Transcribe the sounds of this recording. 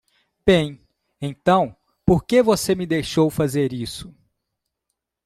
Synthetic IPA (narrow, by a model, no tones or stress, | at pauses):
b̥ẽj̃ | ẽt̪ɐ̃w̃ | poɾkevosemɪd̪ejʃowfazeɾisʊ̥